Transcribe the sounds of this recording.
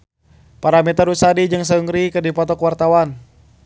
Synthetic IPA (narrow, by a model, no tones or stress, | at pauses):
paɾamɛt̪aɾusadid͡ʒɨŋs̬əuŋɾikɨrdipɔt̪ɔkwart̪awan